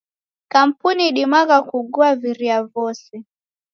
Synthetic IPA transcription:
kam̩puniɗimaɣakuɡuaviɾiavɔsi

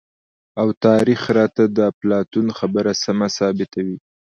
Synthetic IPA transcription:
awt̪ɑɾixɾɑt̪ad̪əplɑt̪unxabəɾasamasɑbɪt̪awi

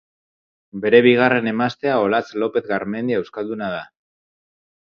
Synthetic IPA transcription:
be̞ɾe̞βiɣ̞are̞ne̞mast̪e̞ao̞lat͡slo̞pe̞θɣaɾme̞nd̪iewskald̪unað̞a

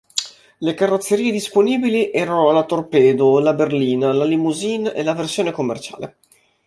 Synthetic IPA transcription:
lekarːot̪sːeɾiːed̪isponiːbiliʔɛːɾanoalat̪orpɛːd̪olaberliːnalalimuzinḛlaversjoːnekomːert͡ʃa̰ːlḛ

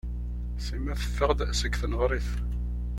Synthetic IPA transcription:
simæθə̥fːəʁd̪səkθnəʁɾˤiθ

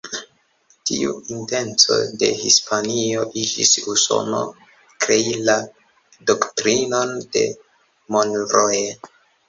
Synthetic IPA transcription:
tiuinte̞nt͡so̞̰de̞̰hispʰanioʔid͡ʒḭsuso̞̰no̰ | kɾe̞ila | doktɾino̞nd̥e̞̰ | monɾoje

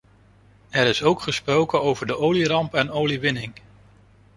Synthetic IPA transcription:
ɛɾɪsowkχəsprowkənowvəɹdəʔowlirɑmpɛnowliʋɪnɪŋ

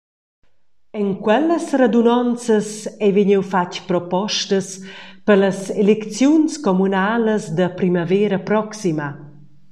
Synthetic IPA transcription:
ɛŋkwɛləsred̪unɔnt͡səsɛviɲiwfacpɾɔpɔʃtəspərləselekt͡sjunskomunaːləsd̪əpɾimavɛːɾəpɾɔksimə

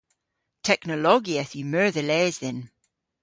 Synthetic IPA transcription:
tʰɛknəlɔɡiəθjəmɜ˞ðəlɛːzðɪn

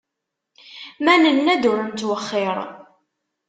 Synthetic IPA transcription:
mænənːæd̪uɾəmt̪wəχːɪɾˤ

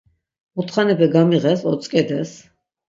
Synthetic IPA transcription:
ut̪ʰχanɛpʰɛɡamiʁɛsɔt̪sʼkʼɛd̪ɛs

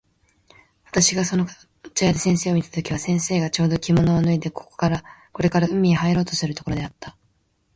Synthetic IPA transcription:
βat̪aɕiɡasono | t͡ɕajad̪esẽ̞ɰ̃se̞ːomit̪ḁt̪o̞kʲiβasẽ̞ɰ̃se̞ːɡat͡ɕo̞ːd̪o̞kʲimo̞no̞ːnɯ̟id̪e̞kʰo̥ko̥kaɾako̞ɾe̞kaɾaɯ̟mʲːiihaiɾo̞ːt̪osɨɾɯ̟t̪o̞ko̞ɾo̞d̪e̞at̪ːa

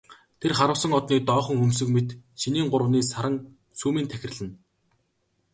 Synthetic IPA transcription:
t̪ʰerχaɾə̆wsə̆ŋɔt̪niːt̪ɔːχɞ̆ŋɵms̬ɵ̆kmet̪ʃiniːŋɢʊɾə̆niːsaɾə̆ŋ | suːmiːnt̪ʰæxʲɪ̆rɮɘ̆n

